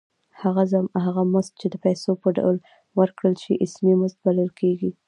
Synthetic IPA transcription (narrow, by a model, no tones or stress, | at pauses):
haɣazaɦaɣamʊzt̪̚t͡ʃed̪əpajsopəɖa̰wl | wəɾkɽəlʃiʔɪsmimʊzt̪̚baləlkeɡi